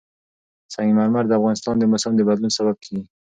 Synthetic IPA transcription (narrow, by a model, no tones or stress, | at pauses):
saŋɡimaɾmaɾd̪əafɣɑnɪst̪ɑnd̪əmʊsamd̪əbad̪lunsaβab̚kʰeɡi